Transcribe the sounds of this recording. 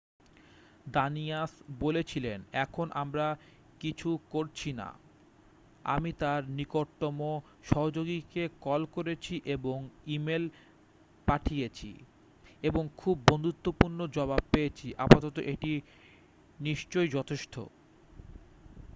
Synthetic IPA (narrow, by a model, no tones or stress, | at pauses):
d̪aniasbolet͡ɕʰilenɛkʰonʔamɾa | kit͡ɕʰukoɾt͡ɕʰina̰ | a̰mit̪aɾnikoɾʈːomo | ʃɔɦod͡ʑoɡikekɔlkoɾet͡ɕʰiʔeboŋimel | paʈʰijet͡ɕʰḭ | eboŋkʰubːond̪ut̪ːopuɾnod͡ʑɔbab̚pejet͡ɕʰiʔa̰pat̪ɔt̪o̰ʔeʈi | niʃt͡ɕojd͡ʑɔt̪ʰeʃʈʰo̰